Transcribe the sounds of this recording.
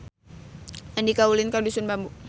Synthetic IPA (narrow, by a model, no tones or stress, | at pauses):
andikaulɪnkadusʊnbambu